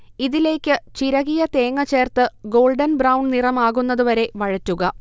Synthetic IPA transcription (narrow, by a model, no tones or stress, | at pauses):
iðile̞ːkʲːɨt͡ɕiɾɐɣijɐt̪e̞ːŋːɐt͡ɕe̞ːrt̪ɨɡo̞ːlɖɐnbrɐwɳɖnirɐmaːɣunːɐðuʋɐɾe̞ʋɐɻɐtːuɣɐ